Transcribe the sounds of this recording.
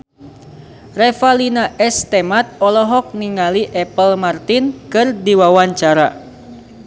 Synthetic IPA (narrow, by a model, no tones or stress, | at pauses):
rɛfalinaʔɛst̪ɛmat̪̚ɔlɔɦɔk̚niŋaliʔɛpəlmart̪inkɨrdiwawaɲt͡ʃaɾa